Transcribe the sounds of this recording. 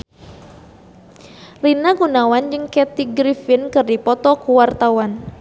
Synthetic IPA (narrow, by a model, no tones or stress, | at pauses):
linaɡunawand͡ʒɨŋkɛt̪iɡɾifɪnkɨrdipɔt̪ɔkuwart̪awan